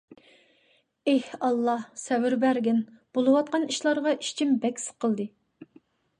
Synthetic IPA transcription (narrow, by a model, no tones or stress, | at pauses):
ehɑlˠːɑhsɛwɪɾbæɾɡʲɪnb̥olˠɨwɑt̪̚qɑniʃlˠɑɾʁɑi̥ʃt͡ʃʰimbɛkʲsə̥qʰəlˠd̪ɨ